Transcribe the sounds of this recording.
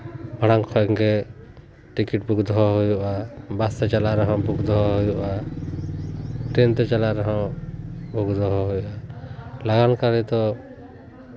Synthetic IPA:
bʱaɽ̃aŋkʰɔɛŋɡɛ | ʈikiʈ̚bʱuɡd̪ɔɦɔɦujɔʔabast̪ɛt͡ʃalaɾɛɦɔ̃buɡd̪ɔɦɔɦujɔʔa | ʈɾɛnt̪ɛt͡ʃalaɾɛɦɔ̃ | bʱuɡd̪ɔɦɔɦujɔʔalaɡankaɾit̪ɔ

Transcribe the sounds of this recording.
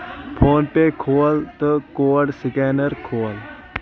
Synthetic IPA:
pʰoːnpekʰoːlt̪okoːəɽsɪkeːnəɾkʰoːl

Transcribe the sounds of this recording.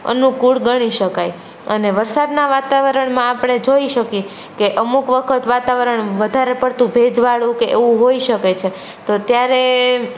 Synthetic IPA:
ə̰nũkuɽɡəɽ̃iʃəkaj | ə̰neʋəɾsad̪naʋat̪aʋəɾəɳmãapɽ̃ed͡ʒoiʃəkje | keʔəmukʋəkʰət̪ʋat̪aʋəɾəɳʋəd̪ʱaɾepəɽt̪ũbʱed͡ʒʋaɭũkeʔeʋũɦoiʃəket͡ʃʰe | t̪ot̪jaɾe

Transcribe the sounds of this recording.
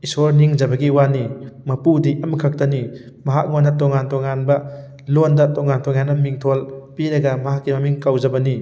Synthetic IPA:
isoɾniŋd͡ʒɐbɐɡiwanimɐpudiʔɐmkʰɐk̚tɐni | mɐɦak̚ŋondɐtɔŋantɔŋanbɐ | londɐtɔŋantʰɔŋjanɐmːiŋtʰolpiɾɐɡɐmɐɦakːimɐmiŋkawd͡ʒɐbɐni

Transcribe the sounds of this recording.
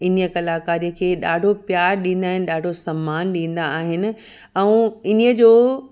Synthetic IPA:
ɪnjəkɐlaːkaːɾijəkʰeːɗa̰ːɖʱopjaːɾɗĩːnd̪aːɦɪnɪ̆ɗaːɖʱosɐmːaːnɗĩːn̆d̪aaːɦɪnɪ̆ | ɛ̃ũːɪniəd͡ʑoː

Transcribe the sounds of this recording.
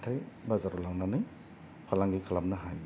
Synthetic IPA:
tʰajbazaɾulaŋnanɯj | pʰalaŋɡikʰalam̚naɦajm

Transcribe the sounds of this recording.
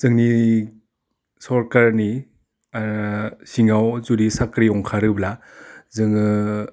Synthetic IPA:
z̥ɯŋni | sɔɾkaɾni | siŋawzuɾisakɾiɔŋkʰaɾɯbla | zɯŋɯ

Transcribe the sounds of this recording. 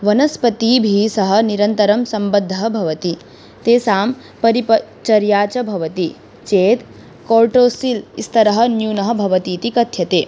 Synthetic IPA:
ʋɐnɐspɐt̪iːbʱiːsɐɦɐ̆niɾɐnt̪ɐɾɐmsɐmbɐd̪ʱːɐɦɐbʱɐʋɐt̪i | t̪eːsaːm | pɐɾipɐ | t͡ʃɐɾjaːt͡ʃɐbʱɐʋɐt̪i | t͡ʃeːt̪ | koːɾʈoːsilist̪ʰɐɾɐɦɐ̆njuːnɐɦɐ̆bʱɐʋɐt̪iːt̪ikɐt̪ʰjɐt̪eː

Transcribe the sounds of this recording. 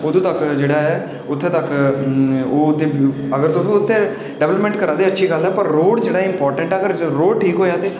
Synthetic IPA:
ʊd̪ũːt̪əkd͡ʒeːɽaːɦɛː | ʊt̪ʰːẽːt̪əkː | oːʊt̪ʰːẽː | əɡəɾt̪õːpiːʊt̪ʰːẽː | ɖɛʋləpmɛ̃ɳʈkəɾãːd̪eːətːʃʰiːɡəlɦɛːpəɾːoːɽd͡ʒeːɽaːɪmpɔːɾʈə̃ɳʈɛːəɡəɾɾoːɖʈʰiːkɦoːjaːt̪eː

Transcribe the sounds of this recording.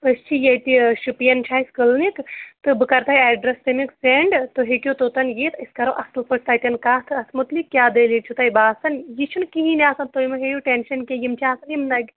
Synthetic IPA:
ɨst͡ʃʰijɐjt̪iʃupijɐnt͡ʃʰaːiskɨlnikt̪ɨbɨkɐɾt̪ʰɐjɛːɖɾɐst̪ɐmikseɳɖt̪oɦekʲjot̪oːt̪ɐnjeːt̪ʰiskɐɾoːʔɐst̪upɐʈt̪at̪ʲɐnkaːt̪ʰɨɐsmut̪likʲːjaːd̪eːlit͡ʃʰut̪ɐjbaːsɐnjit͡ʃʰunkiɦiniaːsɐnt̪oːjmɐɦejuʈenʃɐnkʲejimt͡ʃʰiaːsɐnjimnɐɡ

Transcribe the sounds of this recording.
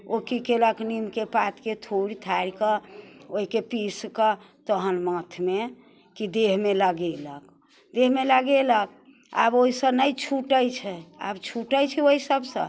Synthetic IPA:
okikeləknimkepat̪ket̪ʰoɽit̪ʰaɽikəoɦikepiskə | t̪əɦənmət̪ʰme | kid̪eɦmeləɡelək | d̪eɦmeləɡelək̚ | a̰boɦisə̃nəjt͡ʃʰuʈəjt͡ʃʰɛa̰bt͡ʃʰuʈəjt͡ʃʰioisəbsə̰̃

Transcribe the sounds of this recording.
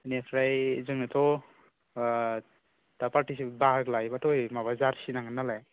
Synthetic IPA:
niakʰɾajzɯŋnatʰɔ | tapaɾʈisibaaɡlajbatɔjmaβazaɾsinaŋanalaj

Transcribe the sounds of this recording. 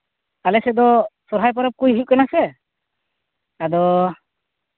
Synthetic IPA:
kalɛsɛd̪ɔsɔɾɦajp̬ɔɾɔp̚kujɦuʔ̚kɛnasɛ | ad̪ɔ

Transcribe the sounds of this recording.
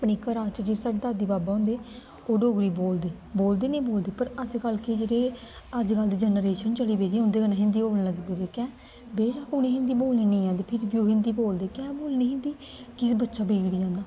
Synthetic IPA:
apniːkəɾaːt͡ʃd͡ʒiːsəʈd̪aːd̪iːbaːbaːõːnd̪eː | oːɖoːɡɾiːboːld̪eː | boːld̪eːnẽːboːld̪eːpəɾəd͡ʒkəlkeːd͡ʒeːɾeː | əd͡ʒkəld̪iːd͡ʒənəɾeːʃənt͡ʃəliːbeːd͡ʒeːɦʊ̃nd̪eːkənãːɦɪ̃nd̪iːboːlnːləɡiːboːd̪eːkɛ̃ː | beːd͡ʒaːkʊnẽːɦɪ̃nd̪iːboːlniːnẽːãːnd̪eːpʰɪɾbjuːɦɪ̃nd̪iːboːld̪eːkɛ̃ːboːlniːɦɪ̃nd̪iː | kɪbətːʃaːbeːɡɽiːd͡ʒãːnd̪aː

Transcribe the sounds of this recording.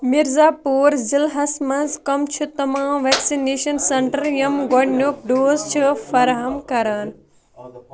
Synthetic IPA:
miɾzaːpuːɾzilɦɐsmɐnzkɐmt͡ʃʰut̪ɐmãːmʋeːksineːʃɐnsɐɳʈɐɾjɐmɡoɖnjoːk̚ɖoːzt͡ʃʰɨfɐɾɦɐmkɐɾaːn

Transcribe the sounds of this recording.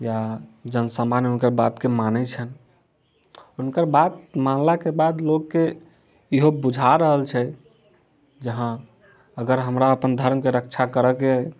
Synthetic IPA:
jad͡ʒənsamanunkəɾbat̪kemanɛt͡ʃʰən | unkəɾbat̪̚manlakebad̪loɡke | iɦobud͡ʒʱaɾəɦəlt͡ʃʰɛ | d͡ʒəɦã | əɡəɾɦəmɾaəpənd̪ʱəɾmkeɾək̚t͡ʃʰakəɾəke

